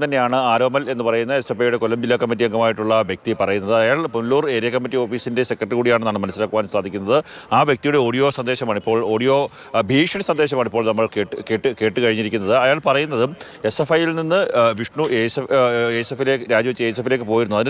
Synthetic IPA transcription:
t̪ɐnːe̞jaːɳɨaːɾoːmɐle̞nːɨpɐrɐjunːɐesefɐjuɽe̞kolːɐmbilːɐkɐmːit̬ːijɐŋɡɐmaːjiʈːuɭːɐʋjɐk̚t̪ipɐrɐjunːɐðɨɐjaːɭpunluːre̞ːɾijɐkːɐmːitːio̞ːfiːsinde̞sekːɾɐʈːrɨkuːɽijaːɳɨnaɳmɐnɐsːilaːkːuʋaːnst̪aːd̪ʱikʲːunːɐðɨaːʋjɐkt̪ijuɽe̞o̞ːɽijo̞ːsɐnd̪e̞ːɕɐmaːɳipːoːɭo̞ːɽijo̞ː | bʱiːʂɐnsɐnd̪e̞ːɕ̬ɐmaːɳipːo̞ːɭnɐmːɐɭkeːʈːɨke̞ːʈːɨke̞ːʈːɨkɐɻiɲːiɾikʲːunːɐðɨɐjaːɭpɐrɐjunːɐðɨ | e̞sefɐjilninːɨʋiʂɳueseesefileɾaːd͡ʑɐʋt͡ɕːɨesefile̞ːk̬ːɨpo̞ːjiɾunuɐðin

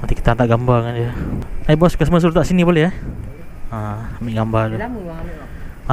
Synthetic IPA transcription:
mənt̪iki̥t̪aant̪aʔɡambarŋand͡ʒəajbɔskəsməs̬lut̪aʔsinibolehɦa | aambɪʔɡambalu | a

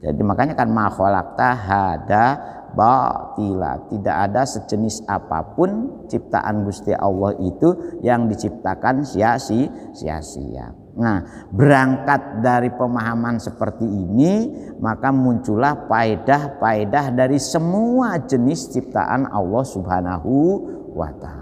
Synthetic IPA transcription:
d͡ʒa̰dimakaɲakanmahɔla̰k̚t̪aɦada | bat̪ila̰t̪ida̰ʔadasəd͡ʒənɪsa̰pa̰pʊnt͡ʃip̚t̪a̰ʔa̰nbust̪iʔa̰lːɔhit̪ujaŋdit͡ʃip̚t̪akansiaʔsɪh | sḭa̰ʔsḭa̰ | nah | bəɾaŋkat̪̚daɾipəmaɦamansəpərt̪iːni | makamuɲt͡ʃulahpaedahpaedaɦdaɾisəmuad͡ʒənɪst͡ʃip̚t̪a̰ʔa̰nɑ̰lːɔhsubhanaɦu | wa̰t̪al

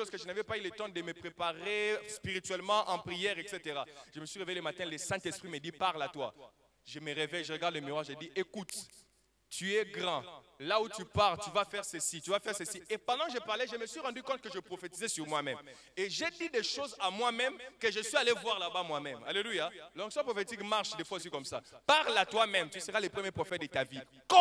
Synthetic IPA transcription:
oz̥kəʒənavɛpaylət̪ɑ̃d̪əməpχepaʁespiʁit̪ɥɛlmɑ̃ʔɑ̃pχijɛʁɛkset̪eʁaʒ̥əməsɥiʁevejeləmat̪ɛ̃ləsɛ̃t̪ɛspχiməd̪ipaʁlat̪wa̰ | ʒəməʁevɛjʒəʁəɡaʁd̪ləmiʁwaʁʒəd̪iʔekut̪ | t̪yɛɡʁɑ̃ | laut̪ypaʁlt̪yvafɛʁsəsit̪yvafɛʁsəsiepɑ̃d̪ɑ̃kəʒəpaʁlɛʒəməsɥiʁɑ̃d̪ykɔ̃t̪̚kəʒəpχofet̪izɛsyʁmwamɛm | eʒed̪id̪eʃozamwamɛ̃mkəʒəsɥialevwaʁlabamwamɛma̰lelujalɔ̃ksɔ̃pχɔfet̪ikmaʁʃd̪efwaosikɔmsapaʁlat̪wamɛ̃mt̪ysəʁalepχəmjepχɔfɛt̚d̪ət̪avi | kɔ̃

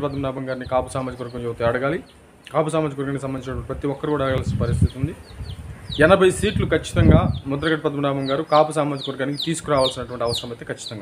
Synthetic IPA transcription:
pɐd̪mɐɽaːbʱɐŋɡaːɾnikaːpusaːmaːd͡ʒ̪ikɐʋɐɾɡɐnd͡ʒut̪ɐɐɽɐɡaːli | kaːpus̬aːmaːd͡ʒikʋɐɾɡaːnkisɐmbɐnit͡ʃinɐʈʋɐɳʈipɾɐt̪iɔkːɐɾukuːɽaːɽɡaːlsinɐpɐɾist̪it̪und̪i | ɛnɐbʱɐjsiːʈlukɐt͡ʃːi̥t̪ɐŋɡaːmud̪ɐɾɐɡɐʈɐpɐd̪mɐɽaːbɐŋɡaːɾukaːpus̬aːmaːd͡ʒ̪ikʋɐɾɡaːnikit̪iːsu̥kuɾaːʋaːlsinːɐʈuʋɐɳʈiɐʋɐsɐɾɐmɐjt̪eːkʰɐt͡ʃːi̥t̪ɐŋɡaː

